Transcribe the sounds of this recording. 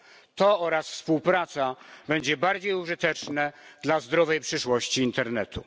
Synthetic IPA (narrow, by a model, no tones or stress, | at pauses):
t̪ɔɔɾasfspuwpɾat̪sabɛɲd͡ʑɛbaɾd͡ʑejuʐɘt̪ɛt͡ʂnɛd̪lazd̪ɾɔvɛjpʂɘʂwɔɕt͡ɕiːnt̪ɛɾnɛt̪ṵ